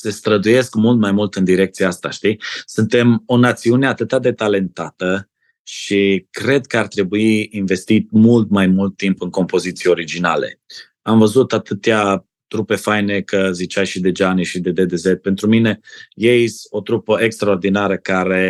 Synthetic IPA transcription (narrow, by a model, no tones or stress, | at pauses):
se̞st̪ɾəd̪uje̞skmult̪majmult̪ɨnd̪iɾe̞k̚t̪siaast̪a̰ʃt̪isɨnt̪e̞mo̞nat̪siune̞at̪ɨt̪ad̪e̞t̪ale̞nt̪at̪ə | ʃikɾe̞d̪kəart̪ɾe̞buiːnve̞st̪it̪̚mult̪majmult̪ːimpɨŋko̞mpo̞zit̪sijeo̞ɾid͡ʒina̰le̞̰ | amvəzut̪at̪ɨt̪ea | t̪ɾupe̞fajne̞kəzit͡ʃajʃid̪e̞d͡ʒaniʃid̪e̞d̪e̞d̪e̞zet̪̚pe̞nt̪ɾumine̞jejiso̞t̪ɾupəʔekst̪ɾaord̪inaɾəkaɾe̞